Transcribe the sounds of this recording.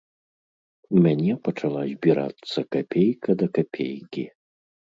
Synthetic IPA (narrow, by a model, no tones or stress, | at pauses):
mʲanʲɛpɐt͡ʂalˠazʲbʲiɾa̰t̪sːɐkapʲejkɐd̪ɐkapʲḛjkʲi